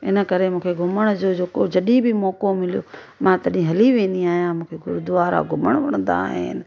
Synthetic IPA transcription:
ɪ̰nə̆kɐɾemũːkʰeɡʱʊməɽ̃d͡ʑoːd͡ʑeːkod͡ʑɐɗibɪmɔːkomɪlijo̰ː | mãt̪ɐɗɪĩɦɐliʋẽːnd̪iaːɦijãmũːkʰeɡʊɾʊd̪ʊʋaːɾa̰ːɡʱʊməɽ̃ʋɐɽ̃ə̃nd̪a̰ːɦɪ̰nɪ̆

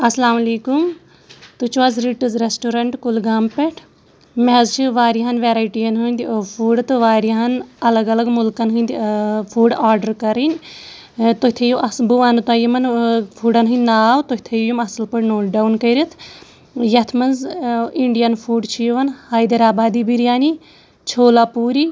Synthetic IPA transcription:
ɐslaːmɐliːkum | t̪ut͡ʃʰʋɐzɾiʈɨzɾesʈuɾɐɳʈkulɡaːmpeʈʰ | meɦɐzt͡ʃʰiʋaːɾiɦɐnʋeɾaːjʈijɐnɦunʲd̪ipʰuːɖt̪ɨʋaːɾiɦɐnɐlɐɡɐlɐɡmulkɐnɦɨnʲd̪ʲipʰuːɖaːɾɖɐɾkɐɾinʲ | t̪oɦit̪ʰejuʔɐsbuʋaːnut̪aːjimɐnfʰuːɖɐnɦɨnʲnaːʋt̪oɦit̪ʰejjumɐsɐlpɐʈnoːɖawnkɐɾit̪ʰ | jɐt̪ʰmɐnziɳɖijɐnfʰuːɖt͡ʃʰijʋɐnhaːjd̪ɐɾaːbaːd̪ibiɾjaːni | t͡ʃʰoːlapuːɾi

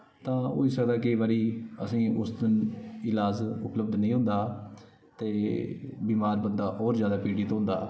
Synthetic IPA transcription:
t̪ãːɦo̰ːiːsək̚d̪aːkəiːʋaːɾiːə̰sĩːʊsd̪ɪnɪlaːzʊpləbd̪nəĩːɦʊ̃nd̪aː | t̪eːbiːmaːɾbənd̪aːʔɔːɾzjaːd̪aːpiːɽiːt̪õːɦʊ̃nd̪a̰ː

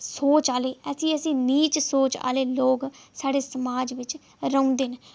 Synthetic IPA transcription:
soːt͡ʃaːleːəsĩːəsĩːniːt͡ʃsoːt͡ʃa̰ːleːloːksaːɽeːsəmaːd͡ʒʋɪt͡ʃ | ɾəũːnd̪eːn

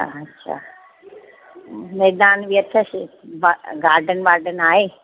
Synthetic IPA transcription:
ɐtːʃʰa̰ː | mɛːd̪aːnʋiɐt̪ʰəsʋaɡaːɾɖənʋaːɾɖənaːɦeː

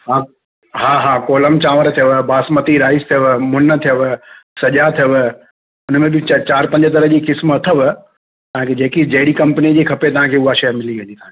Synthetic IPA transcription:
ɦãː | ɦaːɦaːkoːləmt͡ɕãːʋəɾt̪ʰijəʋbaːsmət̪iɾaːɪst̪ʰijəʋmʊnət̪ʰijəʋsɐʄat̪ʰijəʋ | ʊnmẽbɪt͡ɕaːɾpɐ̃ɲd͡ʑət̪̬ɐɾəɦd͡ʑiːkɪsmɐt̪ʰəʋ | t̪ɐɦãkʰed͡ʑeːkid͡ʑɐɪɽikɐ̃mpənid͡ʑiːkʰɐpet̪ɐʋ̤ãkʰeːʊɦaʃɐjmɪliʋẽːnd̪it̪ɐɦãke

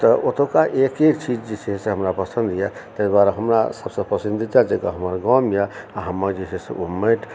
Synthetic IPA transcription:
t̪ɔʔot̪okaʔekekt͡ʃid͡ʒd͡ʒisiɦesẽɦəmɾapəsə̃nd̪ja | t̪əjbaɾeɦəmɾasəbsə̃pəsind̪ʱid͡ʒad͡ʒeka̰ɦəməɾɡɔmjaaɦəmːəɾd͡ʒiseseʔuməʈ

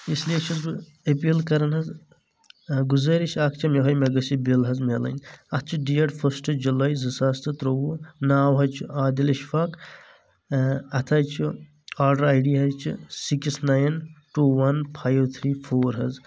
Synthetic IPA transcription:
isliet͡ʃʰɐzb | epilkɐɾɐnɦɐz | ɡuzɐɾit͡ʃʰak̚ʰt͡ʃʰimeɦɐjmeɡɐsibilɦɐzmelɐ̰nʲɐt̪̚ʰt͡ʃʰiɖiɐɖpʰɐsʈd͡ʒulajzɨsaːst̪ɨt̪ɾowunaːwɦɐjt͡ʃʰiaːd̪ilɐʃfɐk | ɐt̪ʰɐːjt͡ʃʰi | aːɾɖɐɾaːjɖiɦɐzt͡ʃʰḭsiksnaːjnʈuːwɐnpʰaːjwt̪ʰɾiːpʰoːɾɦɐz

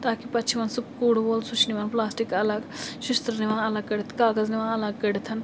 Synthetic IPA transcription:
t̪aːkipɐt͡ʃʰiʋɐnsub̚kuːɽboːlsut͡ʃʰniʋɐnplaːsʈikɐlɐɡʃust̪ɾəniʋãːɐlɐɡ̚kəɽt̪ʰkaːɡɐzniʋãːɐlɐɡ̚kəɽt̪ʰɐn

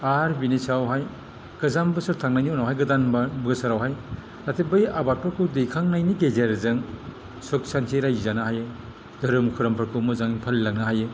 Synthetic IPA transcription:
aɾbinisawɦaj | ɡ̥ɯzambɯsɯɾtʰaŋnajniɔnawɦajɡɯdanbabɡɐsaɾawɦaj | atʰebɯjabat̚pʰɯɾkʰɯdejkʰaŋnajniɡezeɾzɯŋ | sɔk̚santʰiɾajzanahaje | dɯɾɯmkʰuɾɐmpʰɐɾkʰɯmɯzaŋipʰɐlːak̚naɦaje

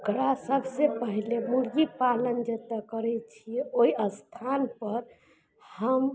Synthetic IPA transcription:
okɾasəbʱsepəɦlemuɽɡipalənd͡ʒet̪əkəɾɛt͡ʃʰijɛoiəst̪ʰanpəɾ | həm

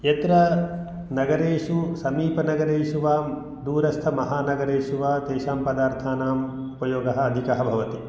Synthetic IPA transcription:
jɐt̪ɾɐ | nɐɡɐɾeːʃusɐmiːpɐnɐɡɐɾeːʃuʋaː | d̪uːɾɐst̪ʰɐmɐɦaːnɐɡɐɾeːʃuʋaːt̪eːʃaːmpɐd̪aːɾt̪ʰaːnaːm | upɐjoːɡɐɦɐ̆ːd̪ʱikɐɦɐbʱɐʋɐt̪i

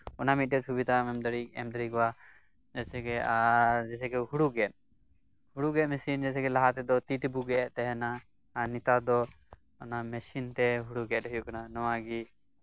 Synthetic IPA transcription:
ɔnamit̪̚dɛsubid̪amɛmd̪əɽikɛ̰md̪əɾikwa | d͡ʒɛsɛkɛad͡ʒɛsɛɡɛɦuɽuɡɛt̪̚ | huɽuɡɛʔ̪mɛsind͡ʒɛsɛkɛlaɦat̪ɛd̪ɔt̪it̪buɡɛʔɛʔt̪ɛɦɛnaː | nit̪ad̪ɔ | ɔnamɛsint̪ɛɦuɽuɡɛɛʔt̪ɦɔjukananɔwaɡi

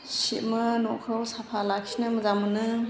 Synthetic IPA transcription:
siʔmɯnɔkʰɯwsapʰalakʰi̥nɯməzamɯnɯ

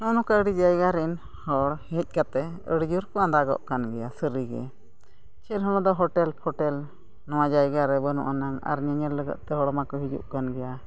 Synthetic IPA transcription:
nɔnɔkaəɽid͡ʒajɡaɾɛn | hɔɽhɛc̪t̚ˀkat̪ɛ | əɽd͡ʒuɾkɔãnd̪aɡɔ̰ʔkanɡɛjasəɾiɡɛ̰ | t͡ʃʰɛlɦɔñɔ̃d̪ɔɦɔʈɛlpʰɔʈɛl | nɔwad͡ʒajɡaɾɛbənṵʔanaŋa̰ɾɲəɲəɾləɡə̰ʔ̪̚t̪ɛɦɔɽmakɔɦid͡ʒṵʔkanɡɛja

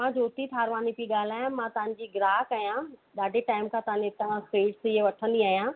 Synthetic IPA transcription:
mãd͡ʑoːt̪it̪ʰaːɾʋaːnipiɠaːl̤aːjãmãt̪ɐʋə̃ɲ̆d͡ʑiːɡɪɾaːɦkaːjãɗ̪aːɖʱeʈaːɪmkʰãt̪ɐʋə̃net̪ɐãxeːʈsiɦeʋɐʈʰə̃nd̪iaːɦijãː

